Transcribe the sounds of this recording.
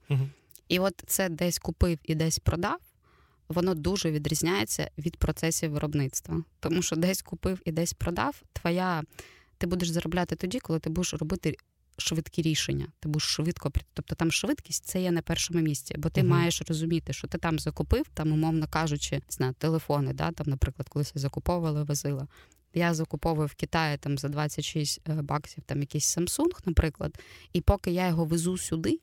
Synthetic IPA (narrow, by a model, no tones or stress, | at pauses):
iʋɔt̪sɛd̪ɛsʲkʊpɪwid̪ɛsʲpɾɔd̪ɑw | ʋɔnɔd̪uʒɛʋʲid̪ɾʲizʲnʲajet͡sʲːɐ̰ʋʲid̪̚pɾɔt̪sɛsʲiʋɪɾʔɔbnɪt̪st̪ʋɐt̪ɔmuʃt͡ʃɔd̪ɛsʲkʊpɪwid̪ɛsʲpɾɔd̪ɑwt̪ʋɔja | t̪ɪbud̪eʃzɐɾɔblʲat̪ɪt̪ɔdʲikɔlˠɪt̪ɪbud̪eʃrɔbɪt̪ɪ | ʃʋɪt̪kʲiɾʲiʃḛnʲːɐ̰t̪ɪbud̪eʃʃʋɪt̪kɔpɾʲt̪ɔp̚t̪ɔt̪ɑmʃʋɪt̪kʲi̥sʲtʲt̪sɛjɛnɐpɛrʃɔmʊmʲisʲt͡sʲḭbɔt̪ɪmɑjeʃrɔzʊmʲit̪ɪʃt͡ʃɔt̪ɪt̪ɑmzɐkʊpɪwt̪ɑmʊmɔʋnɐkɑʒʊt͡ʃɪnɪznɑjʊt̪elˠefɔnɪd̪ɑ̰t̪ɑmnɐpɾɪklɐd̪̚kɔlˠɪsʲɛzɐkʊpɔʋʊʋɐlˠɐʋɐzɪlˠɐ | jazɐkʊpɔʋʊjʊwkʲit̪ɑjɪt̪ɑmzɐd̪ʋɑt͡sʲːɐtʲʃisʲtʲbɑksʲiwt̪ɑmjɐkʲisʲsɐmsunxnɐpɾɪklˠɐ̰d̪ipɔkɪjajɔɦɔʋɪzusʲʊd̪ɪ